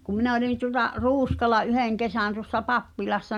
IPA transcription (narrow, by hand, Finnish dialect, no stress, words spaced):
kum̆ minæ̆ olin tuŏlɑ ruːskɑlɑ ʔyheˑŋ kesæˑn tuŏsːɑ pɑpːilɑsːɑ